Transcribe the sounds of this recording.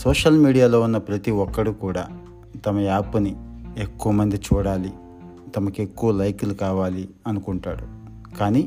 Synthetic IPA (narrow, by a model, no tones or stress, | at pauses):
sɔːʂɐlmiːɽijaːlo̞ːunːɐpɾɐt̪iʋɔkːɐɽukuːɽaː | t̪ɐmɐaːpunie̞kːuʋɐmɐnd̪it͡ʃuːɽaːli | t̪ɐmɐke̞kːuʋɐlɐjklukaːʋaːli | ɐnukuɳʈaːɽu | kaːniː